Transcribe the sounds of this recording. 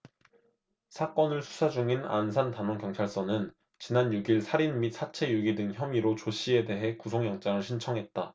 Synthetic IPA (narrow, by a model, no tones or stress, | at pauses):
sʰak͈ʌnɯɭsʰu̥sʰad͡ʑuŋina̰nsʰantanʌŋkjʌŋt͡ɕʰaɭs͈ʌnɯn | t͡ɕinanjuɡiɭsʰaɾinmit̚sʰat͡ɕʰe̞juɡidɯŋçjʌmiɾot͡ɕoɕ͈ʰie̞de̞ɦe̞kusʰoŋjʌŋt͡ɕ͈aŋɯɭɕʰint͡ɕʰʌŋɦe̞t̚t͈a